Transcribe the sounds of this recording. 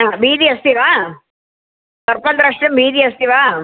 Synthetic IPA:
aːbiːd̪iɐst̪iʋaː | sɐɾpɐnd̪ɾɐʂʈɐmbiːd̪iɐst̪iʋaː

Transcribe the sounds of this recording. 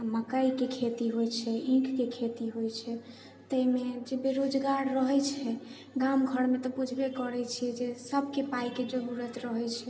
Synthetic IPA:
məkəikekʰet̪iɦojt͡ʃʰɛĩkʰkekʰet̪iɦojt͡ʃʰɛ | t̪əimed͡ʒebeɾod͡ʒɡaɾːəɦɛt͡ʃʰɛ | ɡamɡʱəɾmet̪ɔbud͡ʒʱbekəɾɛt͡ʃʰiɛd͡ʒesəbʱkepaiked͡ʒəɾuɾət̪ɾəɦɛt͡ʃʰɛ

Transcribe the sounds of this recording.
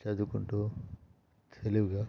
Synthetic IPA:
t͡ʃɐd̪ukuɳʈuː | t̪ʰeliʋuɡaː

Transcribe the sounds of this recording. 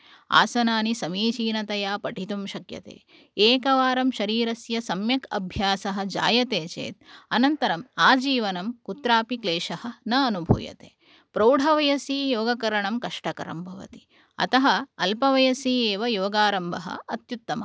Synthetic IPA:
a̰ːsɐnaːnisɐmiːt͡ʃiːnɐt̪ɐjaːpɐʈʰit̪umʃɐkjɐ̰t̪ḛː | eːkɐʋaːɾɐmʃɐɾiːɾɐsjɐsɐmjɐkɐ̰bʱjaːsɐɦɐ̆d͡ʒa̰ːjɐt̪eːt͡ʃḛːt̪̚ɐnɐnt̪ɐɾɐmaːd͡ʒiːʋɐnɐmkut̪ɾaːpikleːʃɐhɐ̆nɐːnubʱṵːjɐ̰t̪ḛː | pɾɐːɽʱɐʋɐjɐsiːjoːɡɐkɐɾɐɳɐmkɐʂʈɐkɐ̰ɾɐ̰mbʱɐʋɐ̰t̪i̥ | ɐ̰t̪ɐɦɐ̆ɐlpɐʋɐjɐsiːeːʋɐjoːɡaːɾɐmbʱɐɦɐ̰ɐt̪jut̪ːɐmɐ̰

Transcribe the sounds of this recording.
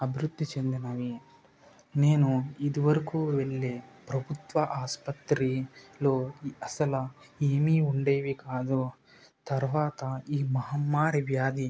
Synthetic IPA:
ɐbʱɾud̪ːit͡ʃend̪ɐnaːʋi | neːnuid̪uʋɐɾɐkuːelːepɾɐbʱut̪ʋɐʔaːspɐt̪ɾiloːɐsɐlɐ | eːmiːuɳɖeːʋikaːd̪u | t̪ɐɾʋaːt̪ɐiːmɐɦɐmːaːɾiʋjaːd̪i

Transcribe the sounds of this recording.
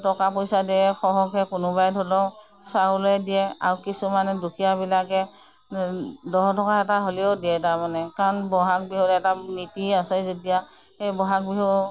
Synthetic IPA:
tɔkapojsadiɛxɔɦɔkɛkʊnʊbajdʱɔlɔ | saɦuloɛdijɛa̰ɹukisumanɛdukʰijabilakɛ | dɔɦɔtɔkaɛtaɦoliodiɛtaɹmanɛkaɹɔnbɔɦak̚biɦutɛtanitiasɛzodija | ejbɔɦak̚biɦɔ

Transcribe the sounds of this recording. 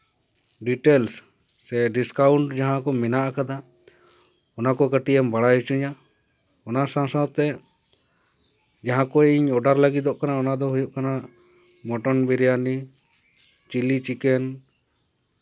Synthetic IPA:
ɖiʈelsː | ɛɖiskawɳʈd͡ʒaɦãkɔmɛnaʔakad̪a | ɔnakɔɡəʈiɛmbaɽajut͡ʃuɲa | ɔnasãsɔ̃t̪ɛ | d͡ʒaɦãkɔiɲɔɖaɾlaɡit̪ɔʔkanaɔnad̪ɔɦujuʔkana | mɔʈɔnbiɾɛjani | t͡ʃilit͡ʃikɛn

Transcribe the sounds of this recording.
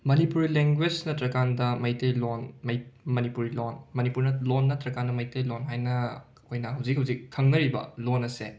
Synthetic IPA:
mɐnipuɾileŋɡwed͡ʒnɐtɾɐkandɐmɐjtejlonmɐjmɐnipuɾilonmɐnipuɾnɐlonːɐtɾɐkandɐmɐjtɐjlonɦajnɐː | kʰojnɐɦɐwzik̚ɦɐwzikʰːɐŋnɐɾibɐ̰lonɐsḛ

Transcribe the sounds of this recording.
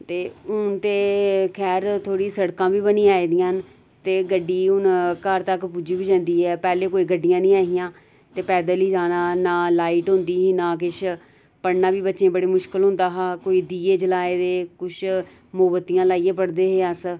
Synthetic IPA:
t̪eːʊnt̪eːkʰɛːɾt̪ʰoːɽiːsəɽkãːbiːbənĩːaːiːd̪ɪjãːn | t̪eːɡəɖːiːʊnkəɾt̪əkpud͡ʒiːbid͡ʒə̃ːnd̪iːɦɛːpɛːleːkoːiːɡəɖɪjãːnĩːaːɦɪjãː | t̪eːpɛːd̪aːliːd͡ʒaːnaːnaːlaːiːʈɦʊ̃nd̪iːɦiːnãːk̬ɪʃʰ | pəɽnaːbiːbətːʃẽːbəɽeːmʊʃkəlɦʊ̃nd̪aːɦaːkoːiːd̪iːeːd͡ʒəlaːeːd̪eːkʊt͡ʃʰ | moːbət̪ːijãːlaːieːpəɽd̪eːɦeːəs

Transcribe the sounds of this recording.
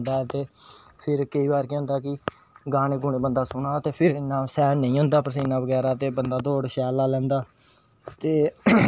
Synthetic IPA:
nd̪aːɛt̪eːpʰɪɾkəiːbaːɾkẽɦʊ̃nd̪aːkɪ | ɡaːneːɡʊɳ̃ẽːbənd̪aːsʊnaːt̪eːpʰɪɾnãːsɛːnəĩːɦʊ̃nd̪aːpəɾsiːnːaːʋəɡɛːɾaːt̪eːbənd̪aːd̪oːɽʃɛːlaːlɛ̃ːnd̪aː | t̪eː

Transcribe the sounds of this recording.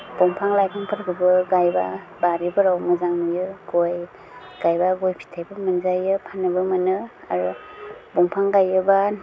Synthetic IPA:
b̥ɔŋpʰaŋlajkʰaŋpʰɯɾɡɯbɯɡajba | baɾibɯɾawmɯzaŋnɯjɯɡoj | ɡ̥ajbaɡojpʰi̥tʰajbɯmɯnzajɯpʰanːɯbɯmɯnɯ | a̰ɾɯbɔŋpʰaŋɡajɯba

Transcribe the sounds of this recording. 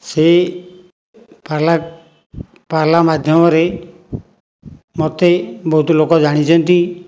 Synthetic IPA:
se | pala | palamad̪ʱjɔmɔɾe | mɔt̪ebɔɦut̪ɔlokɔd͡ʒaɽ̃it͡ʃʰɔnt̪i

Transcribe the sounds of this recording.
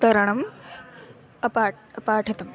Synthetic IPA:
t̪ɐɾɐɳɐm | ɐpaː | ɐpaːʈʰɐt̪ɐm

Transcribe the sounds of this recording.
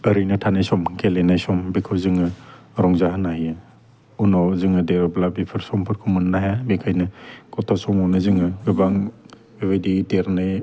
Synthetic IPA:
əɾɯjnɯtʰanajsɔmkʰelenajsɔmbikʰɯwzɯŋɯ | ɾɔŋzaɦɯnajɯ | unɔzɯŋɯdeɾɔblabipʰɯɾsɔmpʰɯɾkʰumɯnːajabekʰajnɯkɔtʰasɔŋɔnɯzɯŋɯɡɯbaŋ | bebajdideɾnɯj

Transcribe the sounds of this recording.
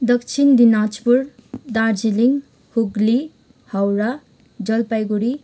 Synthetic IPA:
d̪ʌkt͡sʰind̪inat͡spur | d̪ard͡ziliŋ | huɡli | hʌwɾa | d͡zʌlpajɡuɾi

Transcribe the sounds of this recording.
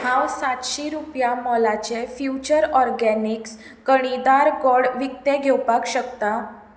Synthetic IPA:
hãwsat̪ɕiɾupjamɔlat͡ɕefjut͡ɕəɾɔɾɡɛniks | kəɽ̃id̪aɾɡɔɽʋik̚t̪eɡʱɛwpakɕəkt̪a

